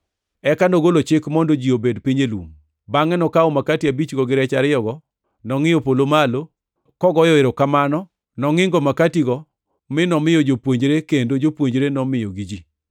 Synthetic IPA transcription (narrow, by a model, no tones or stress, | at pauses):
ɛkanɔɡolot͡ʃɪkmɔndod͡ʒiobedpiɲelwṵŋ | baŋɛnɔkaomakatiabit͡ʃɡɔɡɪɾɛt͡ʃaɾɪjɔɡɔ | nɔŋɪjɔpolomalo | kɔɡɔjɔeɾokamanɔ | nɔŋɪŋɡɔmakatiɡɔ | mɪnɔmɪjɔd͡ʒopwoɲd͡ʒɾekendod͡ʒopwoɲd͡ʒɾenɔmɪjɔɡid͡ʒi